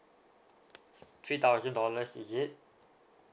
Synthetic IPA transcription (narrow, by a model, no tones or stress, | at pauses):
t̪ʰɹit̪aʊzɛ̃ndɔləsḭjɪʔ̚